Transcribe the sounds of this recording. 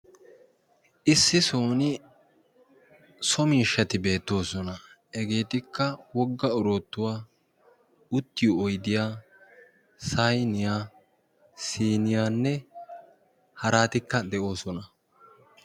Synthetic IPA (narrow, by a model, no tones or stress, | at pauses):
ʔɪsːɪso̞ːnɪ | sɔmiːʃːɐt̪ɪbe̞ːt̪ːo̞ːsɔnɐ | ɛɡeːt̪ɪkːɐwɔɡːɐɔɾo̞ːt̪ːʊwaː | ʊt̪ːɪjʊɔjd̪ɪjaː | sɐjnɪjaː | siːnɪjaːnːɛ | hɐɾaːt̪ɪkːɐd̪ɛʔo̞ːsɔnɐ